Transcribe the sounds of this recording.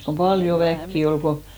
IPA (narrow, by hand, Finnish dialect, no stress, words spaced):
kom pɑljo ʋækːi ol ko